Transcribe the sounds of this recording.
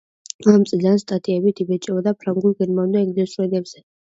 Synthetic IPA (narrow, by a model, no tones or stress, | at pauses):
amt̪sʼid̪anst̪ʼat̪ʰʼiɛbit̪ʰibɛt͡ʃʼɛbad̪apʰɾaŋɡuliɡɛɾmavnd̪aɛɡd̪ɛsɾɛnɛbz̥ɛ